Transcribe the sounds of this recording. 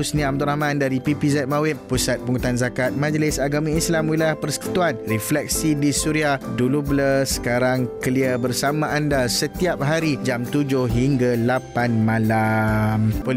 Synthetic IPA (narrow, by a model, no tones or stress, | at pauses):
usnĩam̚d̪uɾahmãndaɾipipizɛt̪̚mawɪp̚pusat̪̚puŋut̪anzakat̪̚mãd͡ʒlɪsaɡamĩislamwilajahpərsə̥ku̥t̪uanriflɛk̚sidisuɾiahdulubləsə̥kaɾaŋkəliəbərsamãʔandasət̪iap̚ɦaɾid͡ʒamt̪ud͡ʒʊhɦiŋɡalapanmãlampo